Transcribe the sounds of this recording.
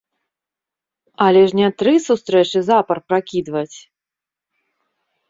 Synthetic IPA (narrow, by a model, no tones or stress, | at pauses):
ɐlʲɛʐnʲɛt̪ɾɨsust̪ɾɛt͡ʂɨzapɐrpɾakʲid̪vɐt͡sʲ